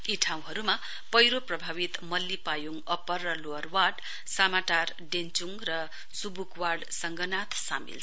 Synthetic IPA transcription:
iʈʰaw̃ɦʌɾuma | pʌjɾoprʌbʱawit̪mʌlːipajuŋʌpʌrːʌloʌrwaɖ | samaʈar | ɖent͡suŋrʌ | subukwaɖsʌŋɡʱʌnat̪ʰsa̰mḭlʰ

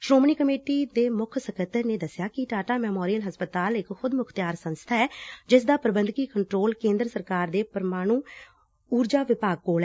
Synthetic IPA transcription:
ʃɾoːmɳiːkəmeːʈiːd̪eːmʊkʰsəkʰət̪ːəɾneːd̪əsɪjaːkɪʈaːʈaːmɛːmoːɾijəlɦəspət̪aːlɪkxʊd̪mʊkʰt̪jaːɾsə̃nst̪ʰaːɛːd͡ʒɪs̬d̪aːpəɾəbənd̪kiːkəɳʈɾoːlkẽːnd̪ɾəsəɾkaːɾd̪eːpəɾmaːɽ̃ũː | uːɾd͡ʒaːʋɪpaːɡ̚koːlɛ

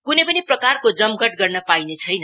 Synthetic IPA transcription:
kunʌjpʌniprʌkarkod͡zʌmɡʌʈ̚ɡʌrnʌpajnet͡sʰʌjnʌ

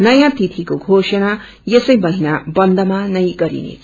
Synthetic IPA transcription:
nʌjãt̪it̪ʰikoɡʱosʌna | jesʌjbʌɦinabʌnd̪ʱʌmanʌjɡʌɾḭnḛt͡sʰ

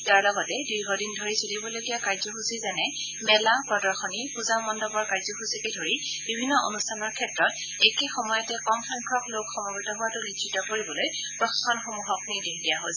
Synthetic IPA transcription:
taɹlɔɡɔtɛdujɡɔdindʱoɹisolibɔlojɡijakaɹzɔxusizanɛ | mɛlapɹɔdɔɹxɔnipuzamɔndɔbɔɹkaɹzɔxusikedʱoɹib̥ibʱinːɔʔo̰nustʰanɔɹkʰɛtɹɔt | ɛkexɔmɔjɔtɛkɔmpʰaŋkʰɹɔklokxɔmɔbitɔɦʊwatʊnitʰːɹitɔkoɹibɔloj | pɹɔxkʰɔnxomuɦɔkniɹdekdijaɦos

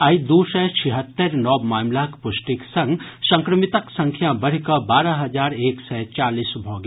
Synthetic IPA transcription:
aid̪usɛt͡ʃʰiɦət̪ːəɾnɔːmaːmlakpʊʃʈiksɐ̃ŋɡsɐ̃ŋkɾəmɪt̪əksɐ̃ŋkʰjãbəɽ̤kɐbaːɾaɦɐd͡ʒaːɾeːksɛt͡ʃaːliːsbʱɔːɡ

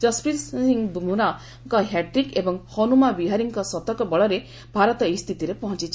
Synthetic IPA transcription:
d͡ʒɔspisiŋbumuna | kɔɦjaʈɾikebɔŋhɔnumabiɦaɾiŋkɔsɔt̪ɔkɔbɔɭɔɾe | bʱaɾɔt̪ɔest̪ʰit̪iɾepɔɦɔ̃t͡ʃit͡ʃʰi

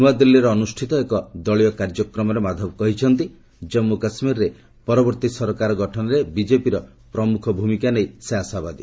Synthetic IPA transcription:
uwad̪ilːiɾɔːnusʈʰit̪ɔekɔd̪ɔɭijɔkaɾd͡ʒɔkɾɔmɔɾemad̪ʱɔbɔkɔɦit͡ʃʰɔnt̪i | d͡ʒɔmːukasmiɾɾe | pɔɾɔbɔɾt̪isɔɾɔkaɾɔɡɔʈʰɔnɔɾebid͡ʒepiɾɔ | pɾɔmukʰɔbʱumikanejseasabad̪i

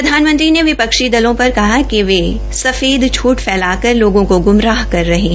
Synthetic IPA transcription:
ɾɐd̪ʱaːnmə̃nt̪ɾineʋɪpɐkʃid̪ɐlõpɐɾkɐɦakiʋeː | sɐfeːd̪t͡ʃʰuːʈfɛːlaːkɐɾloːɡõkoɡʊmɾaːɦkɐɾːɐɦeɦɛ

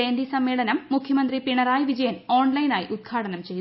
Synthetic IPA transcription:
eːnd̪isɐmːeːɭɐnɐmːukʰjɐmɐnd̪ripiɳɐraːjiʋid͡ʑɐjɐno̞ːɳlɐjinaːjiʔud̪̚ɡʰʱaːɽɐnɐmt͡ɕe̞jː

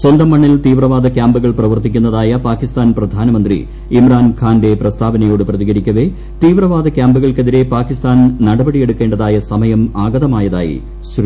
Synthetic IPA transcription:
swɐnd̪ɐmːɐɳːilt̪iːʋrɐʋaːd̪ʱɐkʲjaːmbuɣɐɭprɐʋɐrt̪ikʲːunːɐðaːjɐpaːkːist̪aːnprɐd̪ʱaːnɐmɐnd̪rḭ | imraːnkʰaːnde̞prɐst̪ʰaːbɐnɐjoːɽɨprɐðiɣɐɾikʲːɐʋe̞ | t̪iːʋrɐʋaːd̪ʱɐkʲːjaːmbɨɣɐɭkeðiɾe̞paːkist̪aːnnɐɽɐbɐɽije̞ɽukːeːɳɖɐðaːjɐsɐmɐjɐmaːɡɐðɐmaːjɐða̰ːjḭ | s

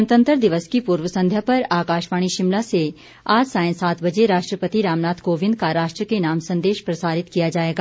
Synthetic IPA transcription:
nt̪ə̃nt̪əɾd̪ɪʋəskipuːɾwəsɐ̃nd̪ʱjapɐɾaːkaːʃʋaːɽ̃iʃɪmlase | aːd͡ʒsãːɪ̃saːt̪ʰbɐd͡ʒeɾaːʃʈɾəpət̪iɾaːmnaːt̪ʰkoːʋɪ̃nd̪̚kaɾaːʃʈɾəkenaːmsɐ̃nd̪eːʃpɾɐsaːɾɪt̪kijad͡ʒaːeːɡaː

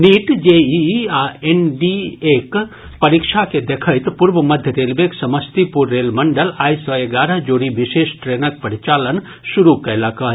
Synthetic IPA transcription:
niːʈd͡ʒeiaenɖieːk | pɐɾikʃaked̪ekʰəjt̪puɾbəmɐd̪ʱjəɾeːlbeksɐməst̪ipuɾːeːlmɐɳɖəlaːjsɔeɡaːɾəɦd͡ʒoːɾiʋɪʃeːʃʈɾeːnək̚pɐɾit͡ʃaːlən | ʃuɾukɐlaka

